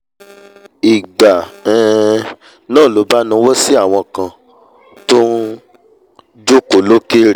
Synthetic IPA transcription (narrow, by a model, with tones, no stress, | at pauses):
i˨ɡ͡ba˨ɛ̃˨ | nãː˦˨lo˨˦ba˦nũ˧˦wo˦si˦a˦˨w̃ɔ̃˧kã˧ | to˦ | d͡ʒo˦ko˨˦lo˦ke˦ɾ